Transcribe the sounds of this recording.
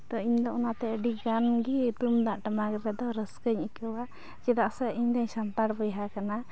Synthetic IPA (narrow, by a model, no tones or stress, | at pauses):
t̪ɔiɲd̪ɔʔɔnat̪ɛəɖiɡanɡit̪umd̪aʔʈamaɡɾɛd̪ɔɾəskəɲikəwa | d͡ʒɛd̪aʔsɛiɲd̪aɲsant̪aɽbɔjɦakana